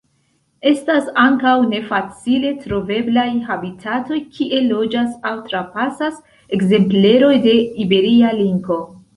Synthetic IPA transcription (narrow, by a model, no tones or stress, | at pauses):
e̞stasaŋkawne̞fat͡sile̞tɾo̞ve̞blajɦabitʰato̞jkʰiʔe̞lo̞d͡ʒasawtɾapasas | e̞kze̞mple̞ɾo̞jde̞ibe̞ɾialiŋɡo̞